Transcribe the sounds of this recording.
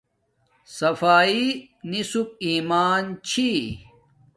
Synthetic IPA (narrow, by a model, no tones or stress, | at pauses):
sɐfaːi | nisup̚iːmaːnt͡ɕʰi